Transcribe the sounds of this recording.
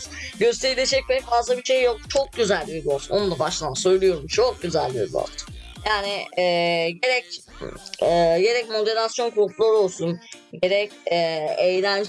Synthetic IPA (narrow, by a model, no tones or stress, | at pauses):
ɟø̞st̪ʰeɾilʲed͡ʒɛc̚veɾɛcfazlˠabiʃejːok̚t͡ʃʰo̞k̚ɟyzælʲːieb̪iolˠsuno̞nund̪abaʃlˠaansø̞jlʲijo̞ɾumt͡ʃʰok̚ɟyzælʲːḭb̪io̰lt̪ʰɯ̥jaːnɪɛːɟe̞ɾɛc | ɛːje̞ɾɛcmo̞d̪e̞ɾasjo̞nkʰuuklˠaɾo̞lˠsunɟe̞ɾɛcɛejlʲænd͡ʒ